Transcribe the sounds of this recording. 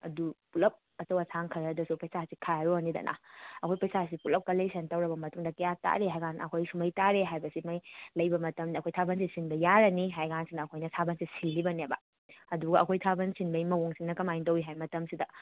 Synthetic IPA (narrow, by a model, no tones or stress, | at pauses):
ɐ̰dupulɐp̚ | ɐt͡ʃɐwɐsʰaŋkʰɐɾɐdɐsupɐjsasikʰajɾoanidɐ̰nʔɐ̰ɐkʰojpɐjsas̬ipulɐp̚kɐlesɐntɐwɾɐbɐmɐtuŋdɐkɐjata̰ɾeɦajɡanɐ̰kʰojsumɐjtaɾeɦajbɐsimajlɐjbɐmɐtɐmniɐkʰojtʰabɐnsisinbɐjaɾɐniɦajɡansinɐːkʰojnɐtʰabɐnsisilːibɐnebɐ̰ | ɐduɡɐʔɐkʰojtʰabɐnsinbɐjmɐwoŋsiŋnɐkɐmajndɐwiɦajmɐtɐmsidɐ